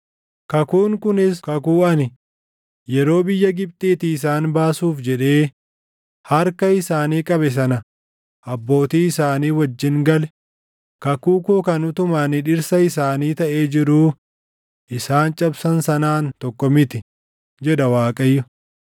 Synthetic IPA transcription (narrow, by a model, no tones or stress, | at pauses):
kɐkuːŋkʊnɪskɐkuːɐnɪ | jɛɾo̞ːbɪjːɐɡɪb̚t̪ʼiːt̪ɪːs̬aːnbaːsuːfd͡ʒɛᶑe̞ː | hɐɾkɐɪsaːniːkʼɐbɛs̬ɐnɐ | ʔɐbːo̞ːt̪iːɪsaːniːwɐd͡ʒːɪŋɡɐlɛ | kɐkuːkuːkɐnʊt̪ʊmaːnɪᶑɪɾsɐɪsaːniːt̪ɐʔe̞ːd͡ʒɪɾuː | ʔɪsaːnt͡ʃʼɐbsɐnsɐnaːnt̪ɔkːɔmɪt̪ɪ | d͡ʒɛᶑɐwaːkʼɐjːʊ